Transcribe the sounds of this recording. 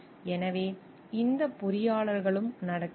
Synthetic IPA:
ɛnɐʋeː | ɪnd̪ɐpːʊɾɪjaːɭɐɾɣɐɭɯmnɐɽɐkː

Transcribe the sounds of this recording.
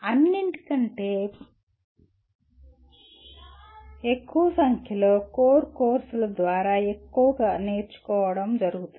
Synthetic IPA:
ɐnːiɳʈi̥kɐɳʈeː | ekːuʋɐsɐŋkʰjɐloːkoːɾkoːɾsulɐd̪ʋaːɾaːe̞kːuʋɐɡaːne̞ːɾt͡ʃu̥kɔːʋɐɽɐmd͡ʒɐɾuɡut̪u

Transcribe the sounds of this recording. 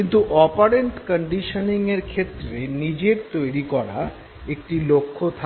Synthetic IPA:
int̪uʔɔpaɾeɳʈkəɳɖiʃəniŋeɾkʰet̪ːɾenid͡ʑeɾt̪ojɾikɔɾa̰ | ek̚ʈilokʰːot̪ʰa

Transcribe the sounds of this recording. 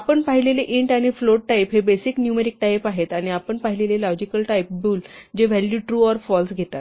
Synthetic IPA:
apəɳpaɦileleʔiɳʈaɽ̃ifloɽ̚ʈajpɦebesiknjumeɾik̚ʈajpaɦet̪aɽ̃iapəɳpaɦilelelɔd͡ʑikəlʈajp̚buːld͡ʑeʋ̤ɛljuːʈɾuɔɾfɔlsɡʱet̪at̪

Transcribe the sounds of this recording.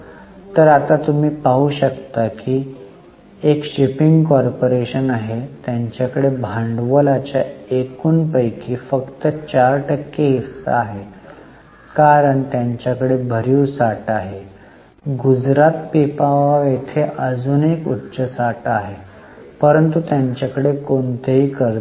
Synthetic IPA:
t̪əɾat̪at̪um̤iːpaɦuːɕəkt̪akiː | ekɕipiŋɡkɔɾpoɾeɕənaɦet̪jaɲt͡ɕjakəɽebʱãɳɖʋəlat͡ɕjaekuːnpəjkʰiːfəkt̪ət͡ɕaɾʈəkːeɦisa̰ːɦe | kaɾəɳt̪jaɲt͡ɕjakəɽebʱəɾiusaʈaɦe | ɡud͡zɾat̪pipaʋaet̪ʰeʔəd͡zuːnekutːɕəsaʈaɦe | pəɾənt̪ut̪jaɲt͡ɕjakəɽekont̪eɦiːkəɾ

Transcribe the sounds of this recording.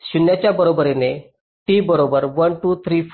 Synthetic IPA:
ɕunjat͡ɕjabəɾobəɾene | ʈibəɾobəɾʋənʈut̪ʰɾif

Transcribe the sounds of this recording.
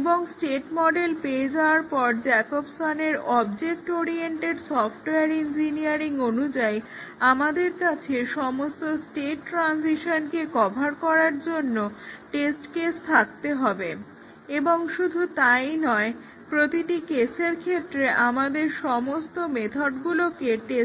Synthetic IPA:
eboŋsʈeʈmɔɖelpeːd͡ʑaoaɾpɔɾd͡ʑɛkobsaneɾɔbd͡ʑek̚ʈoɾieɳʈeɾsɔfʰʈeaɾind͡ʑiniaɾiŋonud͡ʑaj | amad̪eɾkat͡ɕʰeʃɔmost̪osʈeʈːɾansiʃonkekɔbʱaɾkɔɾaɾd͡ʑonːoʈesʈkest̪ʰak̚t̪eɦɔbe | eboŋʃud̪ʱut̪ajnɔe | pɾot̪iʈikeseɾkʰet̪ːɾeʔamad̪eɾʃɔmost̪omet̪ʰoɖɡulokeʈe

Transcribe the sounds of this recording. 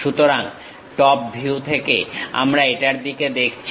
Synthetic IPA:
ʃut̪oɾaŋ | ʈɔp̚bʱiut̪ʰekḛa̰mɾaeʈaɾd̪iked̪ekʰt͡ɕʰ

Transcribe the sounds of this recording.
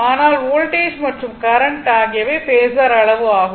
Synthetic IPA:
aːnaːloːlʈeːsmɐʈrɯmkɐɾɐɳʈaːɣɪjɐʋeːpeːsɐɾɐɭɐʋɯaːɣ

